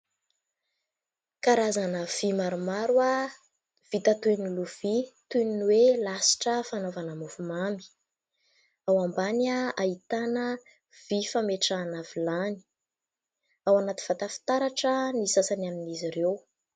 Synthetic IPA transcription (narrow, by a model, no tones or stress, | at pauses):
kaɾazanəv̥imaɾumaɾwa | v̥it̪at̪uniluv̥it̪uninwelasi̥ʈ͡ʂəfanovanamuvumami̥ | awambanaait̪anə | v̥ifameʈ͡ʂanavilani̥ | awanat̪i̥v̥at̪afi̥t̪aɾaʈ͡ʂənisasanaminiziɾew